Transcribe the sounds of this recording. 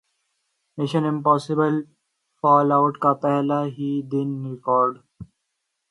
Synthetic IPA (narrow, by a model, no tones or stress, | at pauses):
mɪʃə̃nɪ̃mpɔːsɪbəl | fɔːlaʊʈkat̪alaɦiːd̪ɪ̃nɾɪkɔːɾɖ